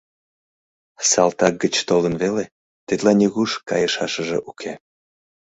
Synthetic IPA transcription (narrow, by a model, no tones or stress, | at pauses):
sɑlt̪ɑk̚ɡət͡ɕt̪olˠənβele | t̪ed̪lɑnʲiɣuʃkɑjəʃɑʃəʒḛ̆ʔukʰe